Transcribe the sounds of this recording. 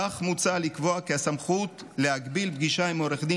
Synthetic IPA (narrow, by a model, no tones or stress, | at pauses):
aχmut͡salikvoakeasamχut | leaɡbilb̚ɡiʃaimoɾeχd̪i